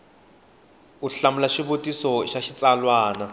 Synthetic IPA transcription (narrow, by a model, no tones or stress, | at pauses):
uɬamulaʃibotʼisɔʃaʃit͡sʼalwaːna